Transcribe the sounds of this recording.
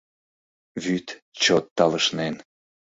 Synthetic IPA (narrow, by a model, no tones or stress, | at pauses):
βyt̪ | t͡ɕot̪ːɑləʃnen